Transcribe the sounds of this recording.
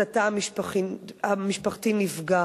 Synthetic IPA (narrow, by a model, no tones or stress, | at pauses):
ataamiʃpaχiamiʃpaχtinifɡa